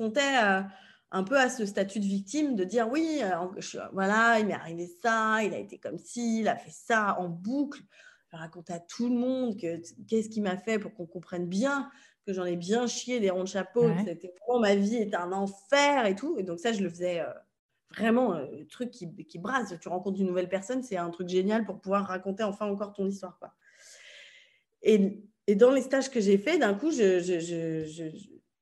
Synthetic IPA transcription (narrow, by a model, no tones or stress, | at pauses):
kɔ̃t̪ɛø | ɛ̃pøasəst̪at̪yd̪əvik̚t̪imd̪əd̪iʁwiøɑ̰̃vwalailmea̰ʁivesaila̰ḛt̪ekɔmsiːlafɛsaɑ̃buklʒ̥əəʁakɔ̃t̪ɛat̪ʰuləmɔ̃d̪kəkʲɛsə̥kʲimafɛpuʁkɔ̃kɔ̃pχɛnbjɛ̃ | kəʒɑ̃nɛbjɛ̃ʃjed̪eʁɔ̃d̪əʃapod̪ɔ̃ksaet̪ɛvʁɛmɑ̃maviet̪ɛɛ̃nɑ̃fɛʁet̪ued̪ɔ̃ksaʒələfəzɛø̰ | vʁɛmɑ̃øt̪χykʲːikʲibʁazt̪yʁɑ̃kɔ̃t̪χdynːuvɛlpɛʁsɔnsɛɛ̃t̪χykʒenjalpuʁpuvwaʁːakɔ̃t̪eɑ̃fɛ̃ɑ̃kɔʁt̪ɔ̃nis̬t̪waʁkwa | eː | d̪ɑ̃lest̪aʒkəʒefɛd̪ɛ̃kuʒəʒəʒəʒə